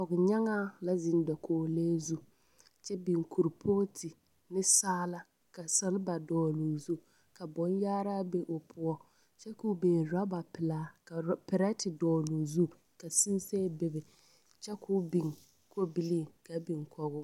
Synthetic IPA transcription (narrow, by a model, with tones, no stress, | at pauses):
kɔ˨ɣʊ˨ɲa˦ŋaː˦la˦zɪ˨n˦dɔ˨kʰoː˨leː˦zu˦ | t͡ʃɛ˦bi˨ŋkʰu˨ɾpʰoː˦tʰɪ˨ | nɪ˦saː˦la˦ | ka˨sa˦lba˨dɔː˨luː˨zu˦ | ka˨bɔ˦njaː˦ɾa˦be˦ʔo˨pʰʊ˦ɔ˦ | t͡ʃɛ˦ku˨˦beː˨ɾa˦ba˨pɪ˨la˦a˨pɪ˨ɾɛ˦tɪ˨dɔː˨lu˨zu˦ | ka˨si˦nseː˦bɪ˨bɪ˨ | t͡ʃɛ˦kʰʊ˦bi˨ŋ | ko˦bi˦liː˦˨ka˨bi˨ŋkʰɔ˨ɣʊ˦